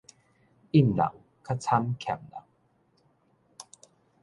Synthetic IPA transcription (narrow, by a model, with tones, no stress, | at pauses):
ʔi˥˩˨nna̰˨˩˨w | kʰa˦˥t͡sʰa˦˥mkʰɛ̰˨˩mna̰˨˩w